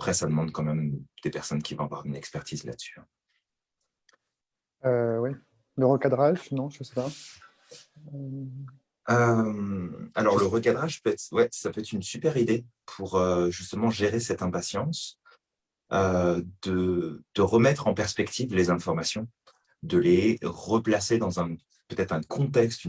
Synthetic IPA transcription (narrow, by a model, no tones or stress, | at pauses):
apχɛsad̪əmɑ̃d̪kɑ̃mɛmd̪̥epɛʁsɔnkʲivɔ̃avwa̰ʁynɛkspɛʁt̪ʰizla̰d̪sy̥ɛ̃ | øwɛ | ləʁəkad̪ʁaʒnɔ̃ʒəsepa | ømalɔʁləʁəkad̪ʁaʒpøɛt̪χwɛsapøɛt̪χynsypɛʁid̪epʰuʁøʒyst̪əmɑ̃ʒeʁesɛt̪ɛ̃pasjɑ̃s | ød̪əd̪̥əʁəmɛt̪χɑ̃pɛʁspɛkt̪ʰivlezɛ̃fɔʁmasjɔ̃ | d̪əleʁəplased̪ɑ̃zɛ̃ | pøt̪ɛt̪χɛ̃kʰɔ̃t̪ɛkst̪y